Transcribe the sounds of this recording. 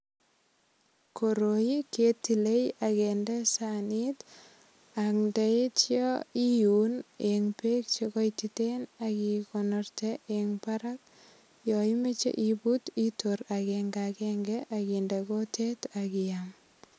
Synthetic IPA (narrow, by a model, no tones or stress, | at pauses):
koɾojiketilejakendesanit | akndaitjɔijuneŋpek̚t͡ʃekɔjtitenakikonɔrteʔeŋpaɾak̚ | jɔimet͡ʃḛʔibutitoɾakeŋɡakɛŋɡɛʔakindekotʰetakijam